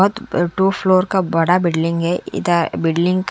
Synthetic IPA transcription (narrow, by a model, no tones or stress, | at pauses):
ɦʊt̪ʈuːfʰloːɾkabɐɽabɪɖlɪ̃ŋɡɦɛɪ̰d̪abɪɖlɪ̃ŋɡk